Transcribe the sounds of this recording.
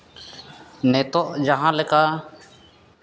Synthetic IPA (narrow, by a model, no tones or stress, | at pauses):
nɛt̪ɔʔd͡ʒaɦãlɛka